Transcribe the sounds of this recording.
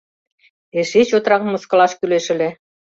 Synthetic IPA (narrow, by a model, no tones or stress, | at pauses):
eʃeɕot̪rɑɣ̆mːɤ̆skɤ̆lɑʃkyleʃɘ̆lĕ